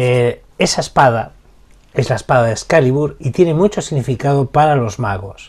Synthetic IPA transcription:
e | esaespað̞a | e̞zlaespaðaðeskaliβuɾit̪jene̞mut͡ʃo̞siɣnifikaðopaɾalo̞zmaɣ̞o̞s

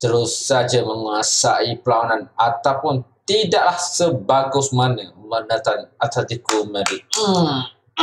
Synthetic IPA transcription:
t̪əɾʊsːad͡ʒaməŋuasaipəlawananat̪awpʊnt̪idaʔlahsəbaɡʊsmanəmənət̪anʔat̪at̪ikumə̃dɪ

